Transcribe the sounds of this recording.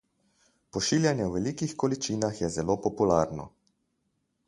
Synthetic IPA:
pɔʃiːljanjɛwʋɛliːkixkɔlit͡ʃiːnaxjɛzɛloːpɔpulaːɾnɔ̰

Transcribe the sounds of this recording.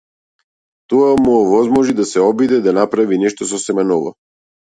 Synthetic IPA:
t̪ɔamuɔvɔzmɔʒid̪asɛɔbid̪ɛd̪anapɾavinɛʃt̪ɔsɔsɛmɛnɔvɔ̰

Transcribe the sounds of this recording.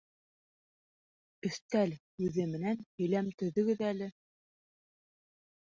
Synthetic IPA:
kɵ̆θt̪æl | ʉðɘmɘ̆nænhɵ̆jlæmt̪ɵ̆ðɵ̆ɡɘðælɘ

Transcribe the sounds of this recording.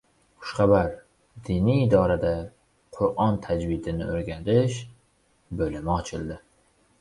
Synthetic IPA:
χʊ̥ʃχɑbaɾ | d̪ɪniːd̪ɒɾad̪a | qʰʊɾʔɒnt̪ʰad͡ʒwɪd̪ɪnɪ̰oɾɡʲad̪ɪʃ | bɵlɪmɪɒt͡ʃʰɪlˠd̪ɪ

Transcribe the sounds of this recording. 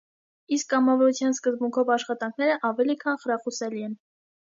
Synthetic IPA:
iskːɑmɑvɔɾut͡sʰjɑnskəzbuŋkʰɔvɑʃχɑt̪ɑŋkʰnɛɾəʔɑvɛlikʰɑnχəɾɑχusɛliɛn

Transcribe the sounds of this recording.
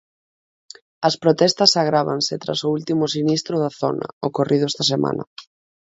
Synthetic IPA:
ɐspɾot̪ɛst̪ɐsaɣ̞ɾaβa̰nsɪt̪ɾa̰soult̪imʊsinist̪ɾʊðɐθɔ̰nɐ̰okorʔiðʊɛst̪ɐs̬emʔa̰nɐ̰

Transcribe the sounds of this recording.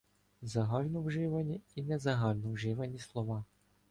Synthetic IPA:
zɐɦɑlʲnɔwʒɪʋɐnʲiinɛzɐɦɑlʲnɔwʒɪʋɐnʲislˠɔʋɑ

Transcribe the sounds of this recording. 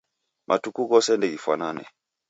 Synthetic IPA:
mʔatukuɣɔsɛndɛɡifwa̰nanɛ̰

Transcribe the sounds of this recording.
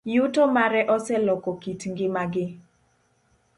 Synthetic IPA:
jutomaɾɛʔɔsɛlɔkɔkitŋɡɪmaɡɪ

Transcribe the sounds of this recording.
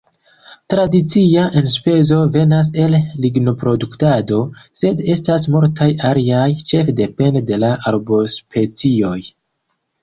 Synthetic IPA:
tɾadit͡siaʔe̞nspe̞zo̞ve̞nas̬e̞lːiɡno̞pɾo̞duktado̞se̞de̞stas̬moɾtʰajaɾiajt͡ʃe̞fde̞pe̞ndde̞laʔaɾbo̞spʰe̞t͡sio̞j

